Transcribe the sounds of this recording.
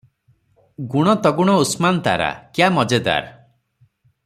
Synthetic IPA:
ɡuɽ̃ɔt̪ɔɡuɽ̃ɔusmant̪a̰ɾa̰kjamɔd͡ʒed̪a̰ɾ

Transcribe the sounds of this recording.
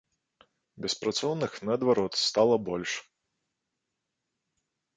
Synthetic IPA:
bʲɛspɾat̪sɔwnɨxnɐːd̪vaɾɔt̪st̪alˠɐbɔlʲʂ

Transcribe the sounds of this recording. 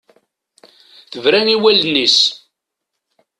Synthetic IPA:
θəvɾæniwælnːis

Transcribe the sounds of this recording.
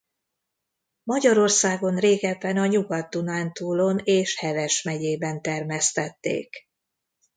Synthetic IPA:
mɒɟɒɾo̞rsaːɡo̞nreːɡɛpːɛnɒɲuɡɒt̪ːunaːnt̪uːlo̞neːʃhɛvɛʃmɛɟeːbɛnt̪ɛrmɛst̪ɛt̪ːḛːk

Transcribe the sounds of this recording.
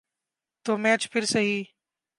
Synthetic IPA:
t̪oːmɛːt͡ʃpʰɪɾsəɦiː

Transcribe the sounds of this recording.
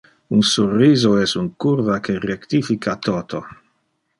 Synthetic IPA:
unsurːiːzoɛsuŋkuɾvakerekt̪ifikat̪ɔːt̪o

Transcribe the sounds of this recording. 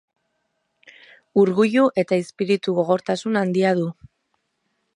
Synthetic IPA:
uɾɣuʎuʔe̞t̪aispiɾit̪uɣo̞ɣ̞o̞ɾt̪asunand̪iaðu

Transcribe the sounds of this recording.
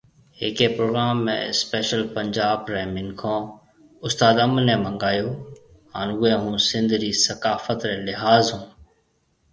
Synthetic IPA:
ɦɪkeːpɾoːɡɾaːmːḛ̃ːɪspeːʃəlpəɲd͡ʒaːbɾɛːmɪnkʰõː | ʊst̪aːd̪əmnɛ̃ːmə̃ŋɡaːjoː | ɦaːnuẽːɦũːsɪ̃nd̪ʱɾiːsəkaːfət̪ɾɛːlɪɦaːzɦũː

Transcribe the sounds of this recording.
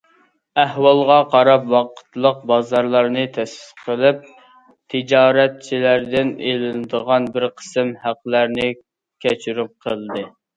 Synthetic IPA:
æhwɑlˠʁɑqʰɑɾɑpwɑqʰə̥t̪lˠəq̚bɑzɑɾlˠɑɾnɨt̪ʰɛsɪ̥t̪qʰəlˠɪp̚ | t̪ʰɪd͡ʒɑːɾɛt̪̚t͡ʃʰilæɾd̪ɪnelɪnɨd̪əʁɑnbɪɾqʰə̥sɨmhæqːlæɾnɪ | kʲʰɛt͡ʃʰyɾyp̚qʰəlˠɨd̪ɨ

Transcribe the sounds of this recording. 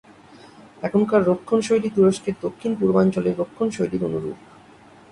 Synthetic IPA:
ɛkʰonkaɾɾokʰːonʃojɖit̪uɾoʃkeɾd̪okʰːinpuɾbant͡ɕoleɾːokʰːonʃojɖiɾo̰nuɾṵk

